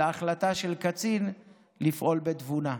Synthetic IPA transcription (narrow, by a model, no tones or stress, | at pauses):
aaχlat̪aʃe̞lkat͡sin | lifʔo̞lbet̪vuna